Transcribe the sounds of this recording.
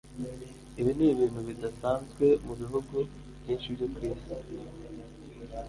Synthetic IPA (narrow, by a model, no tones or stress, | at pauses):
iβiniiβiːn̤̥huβidasaːnzɡwe̞muβiɦuɡu | ɟiːnʃiβɟokwiːsi̥